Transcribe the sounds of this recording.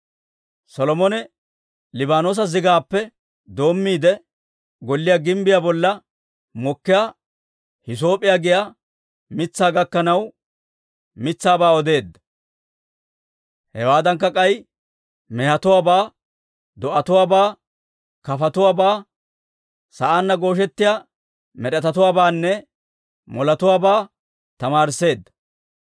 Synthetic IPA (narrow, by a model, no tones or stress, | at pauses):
sɔlɔmɔnɛ | lɪbaːno̞ːs̬ɐzɪɡaːpːɛ | d̪o̞ːmːiːd̪ɛ | ɡɔlːɪjaːɡɪmbɪjaːbɔlːɐ | mɔkːɪja | hɪs̬o̞ːpʼːɪjaːɡɪjaː | mɪt͡sːaːɡɐkːɐnɐw | mɪt͡sːaːbaːɔd̪e̞ːd̪ːɐ̥ | hɛwaːd̪ɐŋkːɐkʼɐj | mɛhɐt̪ʊwaːbaː | d̪ɔʔɐt̪ʊwaːbaː | kɐfɐt̪ʊwaːbaː | sɐʔaːnːɐɡo̞ːʃɛt̪ːɪja | mɛɗɛt̪ɐt̪ʊwaːbaːnːɛ | mɔlɐt̪ʊwaːbaː | t̪ɐmaːɾse̞ːd̪ːɐ̥